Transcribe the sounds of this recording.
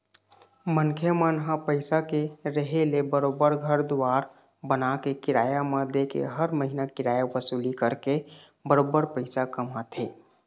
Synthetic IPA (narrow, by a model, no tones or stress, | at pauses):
mənkʰəmənɦapəɪsakeɾəɦelebəɾobəɾɡʱəɾd̪uwaːɾ | bənakekɪɾaːjamad̪ekḛɦəɾməɦinakɪɾaːjabəsuːlikəɾkebəɾobəɾpəɪsakəmat̪ʰeː